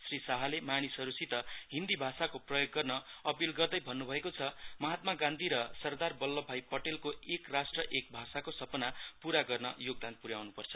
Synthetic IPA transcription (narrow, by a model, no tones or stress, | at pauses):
srisaɦʌlemañisʌɾusit̪ʌɦind̪ibʱasakoprʌjoɡːʌrnʌʌpilɡʌrd̪ʌjbʱʌnːubʱʌekot͡sʰʌmʌɦat̪maɡãnd̪ʱiɾʌsʌrd̪arbʌlːʌbʱajpʌʈelkoekrasʈrʌʔek̚bʱasakosʌpʌnapuɾaɡʌrnʌjoɡ̚d̪ant̪̚puɾjawnupʌrt͡sʰʌ̥